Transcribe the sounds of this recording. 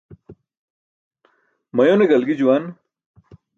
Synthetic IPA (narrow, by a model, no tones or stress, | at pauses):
mɐjoneɡɐlɡid͡ʑuwan